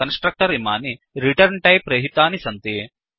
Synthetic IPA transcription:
ɐnsʈɾɐk̚ʈɐɾima̰ːni | ɾiʈɐɾɳʈɐjpɾɐɦit̪aːnisɐnt̪i

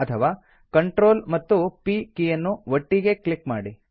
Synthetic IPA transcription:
ɐt̪ʰɐʋaː | kɐɳʈɾo̞ːlmɐt̪ːupiːkijɐnːuʋɐʈːiɡe̞klikmaːɽi

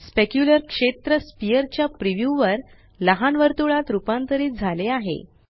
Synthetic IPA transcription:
spekjuləɾkʂet̪ɾəspijəɾt͡ɕjapɾiʋjuʋəɾ | ləɦanʋəɾt̪uɭat̪ɾupant̪əɾiːd͡zʱaleaɦḛ

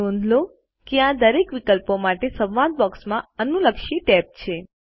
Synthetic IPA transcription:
õnd̪ʱlo | keãd̪əɾekʋikəlpomaʈesə̃ʋʋãd̪̚bɔksmãənuləkʃiʈɛp̚t͡ʃʰe

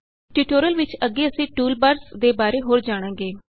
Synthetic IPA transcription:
ʈiːʈoːɾəlʋɪt͡ʃəɡːeːəsĩːʈuːlbəɾsd̪eːbaːɾeːɦoːɾd͡ʒaːɽ̃ãːɡeː

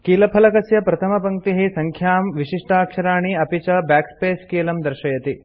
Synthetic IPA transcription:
kiːlɐpʰɐlɐkɐsjɐpɾɐt̪ʰɐmɐpɐŋt̪iɦisɐŋkʰjaːmʋiʃiʂʈʰaːkʂɐɾaːɳ̃iɐpit͡ʃɐbaːkspeːskeːlɐmd̪ɐɾʃɐjɐt̪i

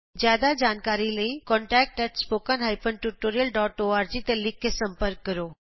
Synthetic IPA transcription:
d͡ʒjaːd̪ad͡ʒaːnkaːɾiləikɔ̃ːɳʈɛːk̚ʈɛʈspoːkənɦaːjpənʈuʈoːɾijəlɖɔːʈoːaːɾd͡ʒit̪elɪkʰesɐ̃mpəɾkːɐɾoː

